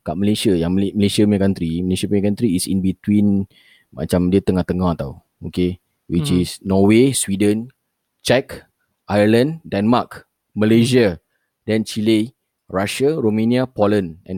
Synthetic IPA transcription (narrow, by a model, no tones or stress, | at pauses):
kaʔməlesajaŋmməlesiamɛkant̪ɾiməlesapekant̪ɾiːsḭ̃nbit̪wĩn | ma̰t͡ʃamdiət̪əŋaht̪əŋãht̪aw | oke | wit͡ʃisnɔweswidə̃n | t͡ʃɛk | ʔajələ̃ndɛnmak | məleʒia | dɛ̃nt͡ʃile | raʃaɾomẽniapolə̃nɛ̰̃n